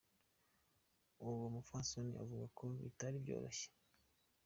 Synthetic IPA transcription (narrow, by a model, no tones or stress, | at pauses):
uwomufansonḭʔa̰vuɡakʰo̞βḭtaɾibjo̞̰ːɾoɕe̥